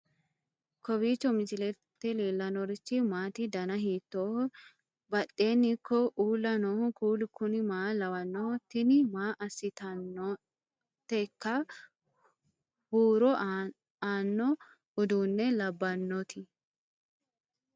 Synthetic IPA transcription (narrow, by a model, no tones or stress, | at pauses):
kɔbiːt͡ʃːɔmɪd͡ʒɪlɛt̪ːɛleːlːɐnɔɾɪt͡ʃːɪmaːt̪ɪd̪ɐnɐɦiːt̪ːoːh | bɐt̪ʼːe̞ːnːɪkːɔʔuːlːɐnɔhʊkuːlkʊnɪmaːlɐwɐnːɔhɔt̪ːɪnɪmaːʔɐsːɪt̪ɐnɔ | t̪ɛkːɐ | huːɾɔ | aːnːɔ | hʊd̪uːnːɛlɐbːɐnːɔt̪ɪ